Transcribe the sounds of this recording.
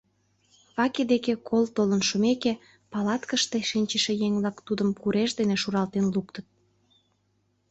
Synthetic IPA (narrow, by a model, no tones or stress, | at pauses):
βɑked̪ekekʰolt̪olənʃomeke | pɑlɑt̪kəʃt̪eʃinʲt͡ɕəʃĕjeŋβlɑkt̪ud̪əmkuɾʔeʃd̪eneʃuɾɑlt̪enlukt̪ət̪̚